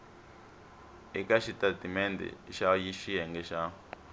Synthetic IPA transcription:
ikaʃitatimɛndɛ̰ʃajiʃiɦɛŋɡɛʃa

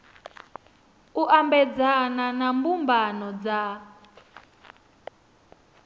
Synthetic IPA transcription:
uʔambɛd͡zananambumbanɔd͡za

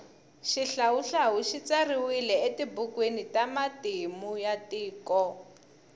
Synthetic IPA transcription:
ʃiɬawuɬaɦuʃit͡sariwilɛetibukwenitamatimujatiːkɔ

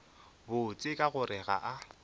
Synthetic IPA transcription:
bʊt͡sʼɪkʼaɣʊɾɛɣa̰ʔa

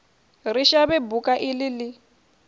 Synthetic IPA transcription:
riʃaβɛbukʼaʔɪlɪlɪ

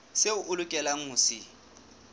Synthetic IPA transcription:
seʊʔʊlʊkʼɛlaŋ̩ŋʊsɪ

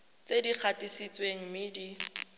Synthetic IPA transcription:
t͡sedik͡xʰatʼisit͡sʼweŋ̩mɪdi

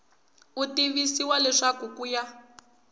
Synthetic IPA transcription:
utiβisiwalɛʂakukuja

